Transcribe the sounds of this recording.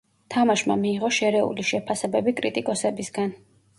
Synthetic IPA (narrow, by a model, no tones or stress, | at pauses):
t̪ʰamaʃma̰miːʁɔʃɛɾɛṵliʃɛpʰasɛbɛbikʼɾit̪ʼikʼɔsɛbisɡan